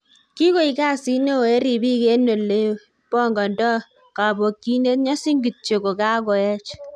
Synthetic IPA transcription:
ki˦ko˦i˨ka˦si˦ne˦o˨e˦ɾi˨bi˦ke˦no˨lːe˦o˦ | pɔ˦ŋɡɔ˨ndɔ˦ | ka˨bo˨kːi˦ne˦tɲɔ˦si˦ŋɡi˨t̚t͡ʃe˨ko˨ka˦kɔ˨jɛ˦t͡ʃ

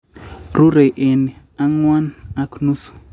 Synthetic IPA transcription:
ɾu˦ɾe˨ʔe˨n˨ | a˦ŋwa˦na˦knu˦s

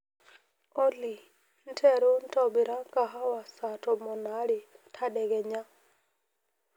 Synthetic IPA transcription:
o˦li˨ | n̩˦tʰɛ˦˨ɾo˦n̩˦tɔ˦bi˨ɾa˦ka˨ɦa˦wa˨sa˨tɔ˨mɔ˨na˨˦ɾi˨tʰa˦ɗɛ˨ɡɛ˨ɲa˦

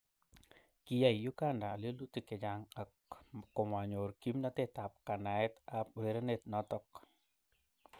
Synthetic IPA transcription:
ki˦ja˦˨jju˦ɡa˦ndaː˨lo˦lu˦ti˨kɛ˨d͡ʒaŋa˨kkːɔ˨ma˨ɲo˨ɾki˦mna˦tɛ˦ta˨p̚ka˨na˨ɛ˦tap̚u˨ɾe˦ɾe˦ne˨tnɔ˦tɔ˦k

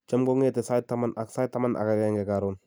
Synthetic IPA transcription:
t͡ʃa˦mɡo˦ŋe˦te˨sa˦tːa˦ma˦na˨ksa˦tːa˦ma˦nʔa̰˨ka˨kɛ˦ŋɡɛ˨ka˨ɾon

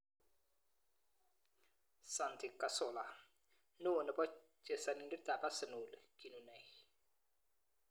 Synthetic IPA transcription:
sa˨nt̪ʰi˨ka˨so˨la˨ | nu˦˨nə˨pɔ˦ | t͡ʃe˨sa˨ni˨ndi˦t̪a˨pa˦sə˨nu˨lki˨nu˨nɛ˨j

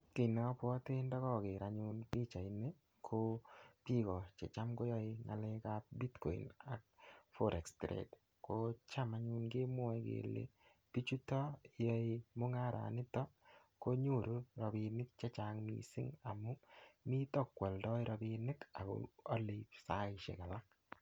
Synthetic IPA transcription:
kɪ˨nɔ˦pwɔ˦tɪ˦ndɔ˦kɔ˦kɪ˨ɾa˨ɲu˦npi˦t͡ʃa˨i˨ne˦ | kʰo˦pi˦kɔ˨t͡ʃḛ˨t͡ʃa˦mko˦jɔ˦ɪ˧ŋa̰˨le˦ka˦p̚bi˦tkɔ̰˨ḭ˨na̰˨k̚fo˦ɾʔɛ˨kstɾḛ˨t | ko˦t͡ʃa˦ma˦ɲu˦nɡe˦mʊ˦ɛ˨˦kḛ˨lḛ˨ | pi˦t͡ʃu˦tɔ˦jɔ˦imʊ˦ŋa˦ɾa̰˨nɪ˦tɔ˦ | ko˦ɲu˦˨ɾu˦ɾɔ˨bi˧nɪ˦k̚t͡ʃe˦t͡ʃa˨ŋmḭ˨sḭ˦ŋa˨mʊ˦mi˦tɔ˦kwɛ˨ldɔ˦i˦ɾɔ˧bi˧nɪ˦ka˨kɔ̰˨ɔ̰˦li˨psa˦ɪ˨ʃḛ˨ka˨la˦k̚

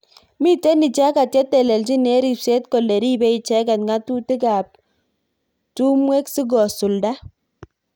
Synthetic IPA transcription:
mi˦tɛ˦ni˨t͡ʃa˦ka˨tjɛ˦tɛ˨lɛ˨lt͡ʃi˦ne˦ɾi˨pse˦tkɔ˨lɛ˨ɾi˦bɛ˦i˨t͡ʃɛ˦kɛ˨tŋa˦tu˦tɪ˦ka˨p̚ | tu˦mwe˦ksi˦ɡɔ˨sʊ˨lda˦

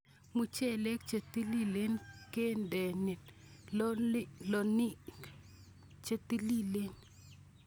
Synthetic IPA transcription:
mu˨t͡ʃe˦˨le˦kt͡ʃe˨t̪i˦li˦le˦nke˦ndɛ˨nɛ˨n˦ | lɔ˨ni˦ | t͡ʃe˨t̪i˦li˦le˦n

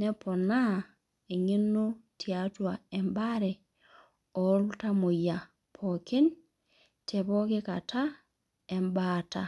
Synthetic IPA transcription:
nɛ˦pɔ˨na | e˨ŋi˦no˦tʰjatwaɛ˨mbaɾɛ˨ | ɔ˨˦luta˦mo˨ja˨ | pʰɔ˨ki˦n | tʰɛ˨βɔ˦ke˦ka˨tʰa˦ | ɛ˨mbata

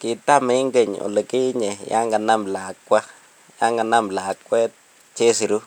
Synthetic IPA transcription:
ki˨ta˦me˦ɪ˦ŋɡe˦˨ɲo̰˨le˨ke˦ɲɛ˨ja̰˦ŋɡa˨na˦mla˨kːwa˦ | ja˦ŋɡa˨na˦mla˨kwɛ˦t̚ | t͡ʃe˦si˨ɾu˦

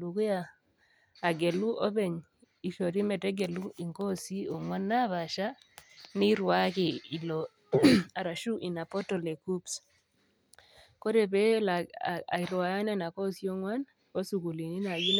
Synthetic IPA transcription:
lu˨kʊ˦ja˦˨ | a˨ɡe˨lu˦ʔo˦be˨ɲ | i˨ʃo˨ɾi˦mɛ˨tɛ˦ɡe˨lu˦i˨ŋko˦si˦o˨ŋwa˦nːa˦βa˨ʃa˦ | nɪ˦ɾwa˦kɪ˨i˨lo˨ | a˨ɾa˨ʃu˦ʔi˨na˨pɔ˦tɔ˨le˨ku˦ps | ko˦ɾe˨pe˦la˨a˨i˨ɾwa˨ja˦nɛ˦na˨ko˦si˦o˦ŋwa˦n | o˦su˨ku˨li˨ni˦na˨ɡi˦n

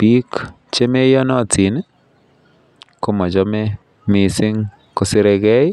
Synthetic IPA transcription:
pi˦k | t͡ʃe˦me˦jɔ˦nɔ˦˨tʰi˨n˦ | ko˦mɔ˨d͡ʒɔ˦me˦ | mɪ˨sɪ˦ŋ | ko˨sɪ˦ɾe˧ɡɛ˦j

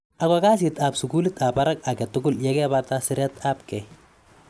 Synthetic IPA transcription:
a˨kaka˦sɪta˨psu˨ku˦lɪta˨pa˦ɾa˦ka˨kɛ˨tʊɡʊ˦ljɛkɛ˦batasɪ˦ɾjatʰap̚kɛ˨j

